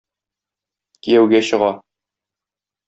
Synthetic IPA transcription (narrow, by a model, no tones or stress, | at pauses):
kijæwɡæɕɤ̆ʁɑ